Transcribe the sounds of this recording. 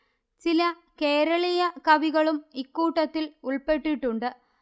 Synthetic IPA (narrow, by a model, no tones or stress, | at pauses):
t͡ɕilɐ | ke̞ːɾɐɭijɐkɐʋiɣɐɭumikːuːʈːɐt̪ːiluɭpe̞ʈːiʈːuɳɖɨ